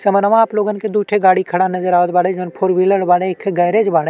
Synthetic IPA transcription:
sɐmənɐʋãːploːɡənked̪uːʈʰeɡaːɽikʰɐɽanɐzəɾaːʋət̪baːɽed͡ʒonpʰoɾʋiləɽbaːɽekʰːɡɐjɾed͡ʒbaːɽe

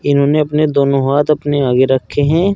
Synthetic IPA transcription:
ɪnɦõːneɐpned̪oːnõɦaːt̪ɐpneaːɡeɾɐkʰːeɦɛ̃ː

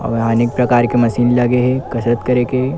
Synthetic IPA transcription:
ɐ̰ʋɦaːnɪk̚pɾɐkaːɾkemɐsiːnlɐɡeɦɛkɐsɾət̪kɐɾeːke

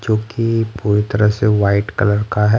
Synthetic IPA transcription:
d͡ʒoːkipuːɾit̪ɐɾəɦseʋaːɪʈkɐləɾkaɦɛ

